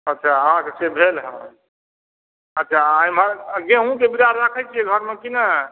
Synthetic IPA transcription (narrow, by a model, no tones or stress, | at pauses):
ətːʃʰaəɦãkesebʱelɦə̰̃ | ətːʃʰaajmaɾɡẽɦũk̪ebiɾaɾːakʰəjt͡ʃʰieɡʱəɾmekina